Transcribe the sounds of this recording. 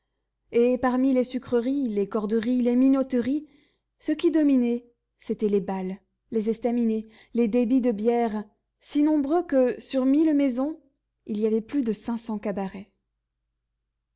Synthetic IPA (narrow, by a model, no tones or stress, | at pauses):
epaʁmilesykχəʁilekɔʁd̪əʁileminɔt̪əʁi | səkʲid̪ɔminɛ | set̪ɛlebalː | ezɛst̪amine | led̪ebid̪əbjɛʁ | sinɔ̃bʁøkəsyʁmilmɛzɔ̃ | iliavɛplyd̪əsɛ̃sɑ̃kabaʁɛ